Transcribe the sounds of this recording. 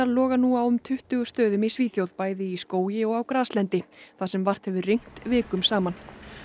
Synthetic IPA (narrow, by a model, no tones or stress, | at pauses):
aɾlɔːɣanuːawʏmt̪ʰʏht̪ʏɣʏst̪œːðʏmisviːθjowðpaːjðɪiskoːwjɪɔɣawkɾaːslɛnt̪ɪθaðsɛmvar̥t̪hɛvʏrejŋ̥t̪vɪːkʏmsaːman